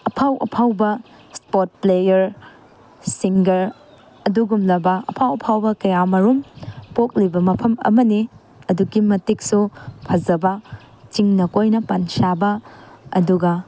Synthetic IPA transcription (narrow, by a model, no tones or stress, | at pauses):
ɐpʰawʔɐ̰pʰawbɐ | spot̚plejɐɾ | siŋɡɐɾ | ɐduɡumlɐbɐɐpʰawɐpʰawbɐkɐjamɐɾumpok̚libɐmɐpʰɐmɐ̰mɐni | ɐduɡimɐtik̚supʰɐzɐbɐ | t͡ʃiŋnɐkojnɐpɐnsabɐɐ̰duɡɐ